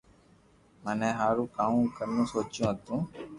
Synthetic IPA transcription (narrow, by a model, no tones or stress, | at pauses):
məneːɦaːɾũːkaːũːkəɾnũːsoːt͡ʃjũːɦət̪ũː